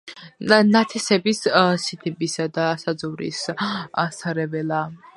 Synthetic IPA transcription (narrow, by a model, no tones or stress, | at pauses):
nat̪ʰɛsɛbissit̪ʰɛbisad̪asad̪zɔvɾḭs | saɾɛbɛla